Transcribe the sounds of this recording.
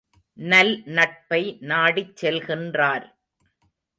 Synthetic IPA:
nɐlnɐʈ̚pɐɪnaːɽit͡ʃːɛlɣɪndraːɾ

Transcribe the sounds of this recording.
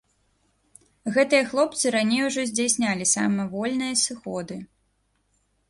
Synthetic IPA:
ɣɛt̪ɨjɐxlˠɔp̚t̪sɨɾanʲejuʐɔzʲd͡zʲasʲnʲalʲisa̰mɨvɔlʲnɨjɐsɨxɔd̪ɨ

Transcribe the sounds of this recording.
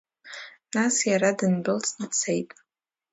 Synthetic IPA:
nasjaɾadɨnbɨlt͡sʰdt͡sʰejtʼ

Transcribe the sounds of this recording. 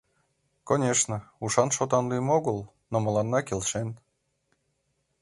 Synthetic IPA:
konʲeʃnəuʂɑnʃot̪ɑnlyjmoɣəlˠ | nomɤlˠɑnːɑkʲelʲʃen

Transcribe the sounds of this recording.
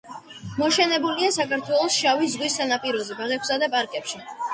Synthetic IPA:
mɔʃɛnɛbuliasakaɾt̪ʰwɛlˠɔsʃavizʁwisanapʼiɾɔzɛbaʁɛkʰsad̪apʼaɾkʼɛpʃi

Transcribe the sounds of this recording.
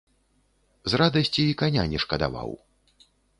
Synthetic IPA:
zrad̪ɐsʲt͡sʲiikanʲa̰nʲɛʂkɐd̪a̰va̰w

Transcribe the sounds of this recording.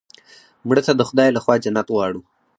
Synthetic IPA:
mɽət̪ad̪əxʊd̪ɑjlaxwɑːd͡ʒanat̪wɑɽu

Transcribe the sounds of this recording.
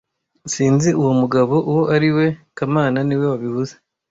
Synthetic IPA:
siːnziuwomuɡaβo̞ʔuwoʔaɾiwe̞kamaːnaniwe̞waβiβuze

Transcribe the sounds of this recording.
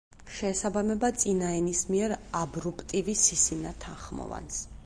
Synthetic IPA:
ʃɛːsabamɛbat̪sʼinaɛnismiɛɾabɾupʰʼt̪ʼivisisinat̪ʰanχmɔ̰va̰ns

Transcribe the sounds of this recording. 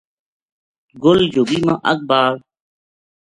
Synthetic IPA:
ɡold͡ʑoːbiːmãʔɐk̚baːl

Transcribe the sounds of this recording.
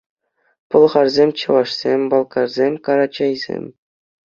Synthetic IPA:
pɤ̆lˠχɑrzʲemʲt͡ɕɤ̆ʋɑʂsʲemʲbɑlˠkɑrzʲemʲkɑɾɑt͡ɕɑjzʲḛmʲ

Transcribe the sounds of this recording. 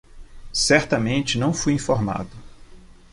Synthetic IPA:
sɛɾt̪ɐmẽnt͡ʃɪnɐ̃w̃fujĩfoɾma̰d̪ʊ

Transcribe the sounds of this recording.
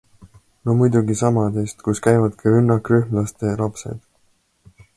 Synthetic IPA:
nomujd̪̥uɡisɑmɑd̪eːst̪kuskæjvɑd̪̥kʰɑɾynːɑkryhmlɑst̪elɑpse̞̰d̪̥

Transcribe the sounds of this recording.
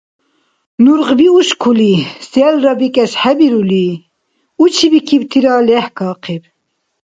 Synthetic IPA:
nuɾʁbiuʃkʰulisɛlrɑbikʼɛsħɛbiɾuli | ut͡ʃʰibikʰibt̪ʰiɾɑlɛhkʰɑːqʰib

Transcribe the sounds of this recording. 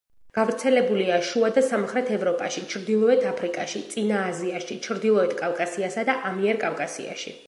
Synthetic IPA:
ɡ̥avɾt̪sʰɛlɛbuliaʃuad̪asamχɾɛt̪ʰɛvɾɔpʼaʃit͡ʃʰɾd̪ilˠɔɛt̪ʰapʰɾikʼaʃit̪sʼinaːziaʃit͡ʃʰɾd̪ilˠɔɛt̪ʰkʼavkʼasiasad̪aʔamiɛɾkʼavkʼasḭa̰ʃḭ

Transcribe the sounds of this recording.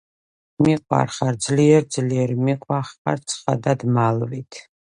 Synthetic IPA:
miqʼwa̰rχaɾd̪zliɛɾd̪zliɛɾimiqʼwaχa̰ɾt̪sʰχa̰d̪ad̪malvit̪ʰ

